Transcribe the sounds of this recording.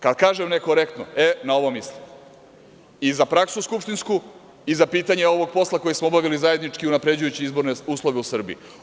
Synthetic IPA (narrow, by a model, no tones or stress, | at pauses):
kad̪kaːʒemnekoɾe̞kt̪no̰enao̞ʋomisli | izapɾaksuskupʃt̪insku | izapiːt̪aɲeo̞ʋo̞ɡ̚po̞slˠako̞jismoobaʋilizajed̪nit͡ʃkiunapɾe̞d͡ʑujut͡ɕiizbo̞ɾneuːslˠo̞ʋeusr̩bḭḭ